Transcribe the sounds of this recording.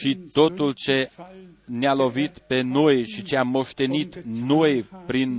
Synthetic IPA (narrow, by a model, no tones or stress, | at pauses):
ʃit̪o̞t̪ult͡ʃe̞ | nealo̞vit̪pe̞no̞jʃit͡ʃeamːo̞ʃt̪e̞nit̪no̞jpɾin